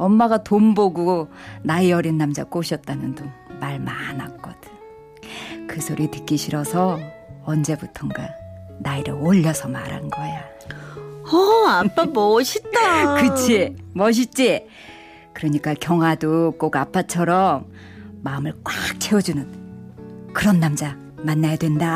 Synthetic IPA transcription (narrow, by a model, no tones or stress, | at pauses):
ʌmːaɡatomboɡonaiʌɾinːamd͡ʑa̰k͈oɕʰʌt̚t͈amjʌndomaɭmanak̚k͈ʌdɯɲ | kɯsʰoɾitɯk͈iɕʰiɾʌsʰʌʌnd͡ʑe̞butʰʌŋɡanaiɾɯɭoʎːʌsʰʌmaɾa̰nɡʌja | ʌapʰamʌɕʰit͈akɯt͡ɕʰemʌɕ̬ʰit͡ɕ͈e | kɯɾʌɲik͈akjʌŋwadok͈oɡapʰːat͡ɕʰʌɾʌmː | aɯmɯɭk͈wak̚t͡ɕʰeʌd͡ʑunɯn | kɯɾʌnːamd͡ʑa | manːajadwe̞nda